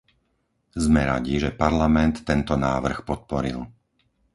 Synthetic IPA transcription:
zmɛɾaɟiʒɛpaɾlamɛnt̪ːɛnt̪ɔnaːʋr̩xpɔt̪̚pɔɾḭlˠ

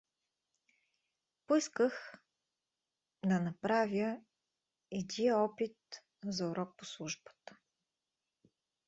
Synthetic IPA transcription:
poiskəx | d̪ɐnɐpɾavʲjə | ɛd̪ʲiəɔpit̪̚ | zɐuɾɔk̚poslˠuʒbə̥t̪ə̥

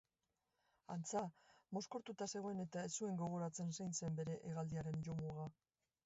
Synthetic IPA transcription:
a̰nt͡samo̞sko̞ɾt̪ut̪ase̞ɣ̞oene̞t̪aesue̞ŋɡo̞ɣ̞o̞ɾat͡se̞nsejnse̞mbe̞ɾe̞ʔeɣald̪iaɾe̞nʝo̞muɣa

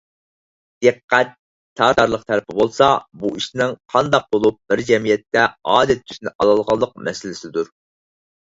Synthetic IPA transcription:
d̪̥əqːæt̪ʰː | ɑːɾɑɾlˠəqt̪ʰæɾɪpʰɪbolˠsɑbuiʃnɪŋqʰɑnd̪ɑq̚bolˠup̚b̥ɪɾd͡ʒɛmijɛt̪ʰːɛɑːd̪ɛt̪ːʰy̥ʃɪnɪʔɑlˠɑlˠʁɑlˠːəq̚mɛsɪlɪsɪd̪uɾ

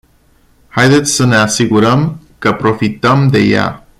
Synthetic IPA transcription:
hajd̪et̪sʲsəne̞asiɡuɾəm | kəpɾo̞fit̪əmd̪e̞̰ja̰

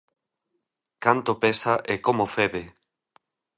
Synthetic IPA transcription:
kant̪opesaʔekomofeβe

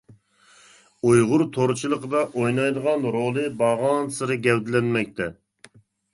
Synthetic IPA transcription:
ujʁʊɾt̪ʰoɾt͡ʃʰilˠəqəd̪ɑʔojnɑjd̪əʁɑnɾolˠɨbɑʁɑnsɨɾɨɡʲɛwd̪lɛnmɛk̚ʲt̪ʰɛ

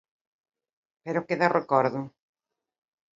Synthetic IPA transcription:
peɾʊkeðarʔekɔɾðʊ

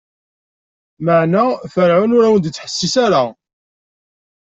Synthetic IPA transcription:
maʕnæfəɾʕʊnʊɾæwənd̪t͡sːħə̥sːisaɾa

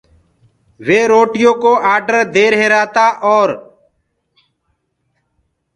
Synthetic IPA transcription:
ʋeːɾoːʈɪjõːkoːʔaːɖəɾd̪eːɾɦeːɾaːt̪aːʔɔːɾ

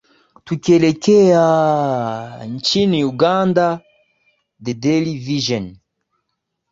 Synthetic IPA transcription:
tukelekea | nt͡ʃiniuɡãnda | dedeliviʒɛn

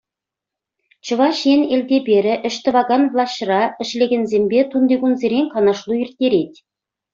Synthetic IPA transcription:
t͡ɕɤ̆vɑʃjenelʲd̪ʲebʲeɾʲɘ̆ʔɘ̆ʃt̪ɘ̆vɑɡɑnvlˠɑɕrɑɘ̆ʃlʲeɡʲenzʲembʲet̪und̪eɡunzʲeɾʲeŋʲkɑnɑʃlˠuirt̪ʲːeɾetʲ

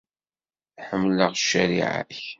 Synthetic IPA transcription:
ħəmːləʁʃːæɾḭʕa̰ç

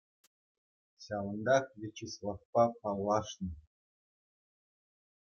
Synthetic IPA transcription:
ɕʲɑlɤ̆nd̪ɑkvʲet͡ɕislˠɑfpɑpɑlˠːɑʂnɤ̆

